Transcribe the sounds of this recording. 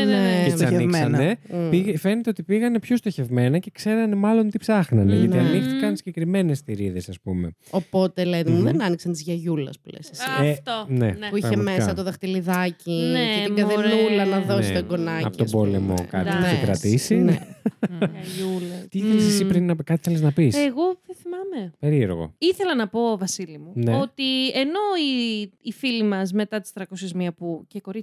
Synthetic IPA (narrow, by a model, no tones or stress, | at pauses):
neesɐniksɐnepiʝefenet̪eot̪ipiɣɐne̞pço̞st̪o̞çe̞vme̞nɐce̞kse̞ɾɐne̞mɐlo̞nt̪ipsɐxnɐnḛʝɐt̪iɐnikθikɐnsiɟe̞kɾime̞ne̞st̪iɾiðe̞sɐspume̞ | o̞po̞t̪e̞lenimuðenɐniksɐnt̪izʝɐʝulɐ̰splḛsesiet̪onḛpuiçɐemeɐsɐt̪oðɐxt̪iliðɐcinetimɡɐðenɾulɐnɐðosit̪oeɡonɐɐ̰ot̪obo̞lemo̰kɐ̰t̪ekɾɐ̰t̪isin̰ | ɐʝulɐt̪iθesesipɾinɐkɐt̪iθeleznɐpisːɣo̞θeθimɐme̞peɾieɾɣo̞̰iθe̞lɐnɐpo̞vɐsilimuneot̪ieno̞iːfilimɐz̬me̞t̪ɐt̪i̥st̪ɾɐko̞sezmiɐpuceko̞ɾi